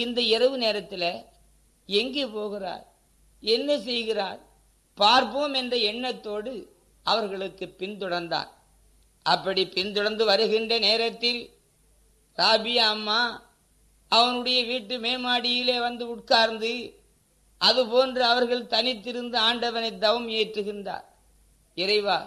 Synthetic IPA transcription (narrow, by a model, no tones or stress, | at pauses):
ɪnd̪ɐɪrɐʋɯneːɾɐt̪ːɪlɐ | ɛŋɡepoːɣɪra̰ːɾ | ɛnːɐsɛjɣɪraːɾ | paːɾpoːmɛndrɐɛɳːɐt̪ːoːɽɯ | ɐʋɐɾɣɐɭɯkːɯpɪnt̪ɔɽɐɾnd̪a̰ːn | ʔɐpːɐɽipɪnt̪ɔɽɐnd̪ɯʋɐɾɯɣɪndrɐneːɾɐt̪ːɪl | ɾaːbɪjaːmːaː | ɐʋɐnɯɽɐjɐʋiːʈːɯmeːmaːɽɪjɪleːʋɐnd̪ɯʊʈ̚kaːɾnd̪ɯ | ʔɐðɯpoːndrɯɐʋɐɾɣɐɭt̪ɐnɪt̪ːɪɾɯnd̪ɐaːɳɖɐʋɐnɛɪd̪ːɐʋɯmeːʈrɯɣɪnda̰ːɾ | ɪrɐɪʋaː